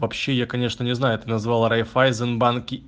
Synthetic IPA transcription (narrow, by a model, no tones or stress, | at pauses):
vɐpɕːe̞jakɐnʲe̞ʂnənʲɪznajʊɛt̪ɨnɐzvɑlˠɾɐjfajzənbankʲɪ